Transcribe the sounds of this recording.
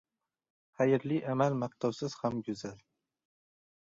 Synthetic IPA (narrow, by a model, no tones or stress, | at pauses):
hajɪɾlɪʔamalmaq̚t̪ʰawsɪz̥hamɡʊzal